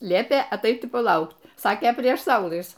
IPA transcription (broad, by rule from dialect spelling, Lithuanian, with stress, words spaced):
ˈlʲiɛpʲeː ɐˈtɐɪt ɪ pɐˈlˠɐʊkt ˈsɑːkʲeː pʲrʲiɛʃ ˈsɐʊlˠɨs